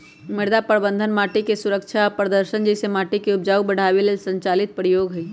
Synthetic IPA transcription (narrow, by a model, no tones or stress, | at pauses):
mɪɾd̪apɾbə̃nd̪ʱənmaːʈikesʊɾəkʃʰapɾəd̪əɾʃənd͡ʒesemaːʈikeʊbd͡ʒaːubɐɽ̤ʱaːʋelesɐ̃ɲt͡ʃaːlɪt̪̚pɾɪjoːɡɦɐi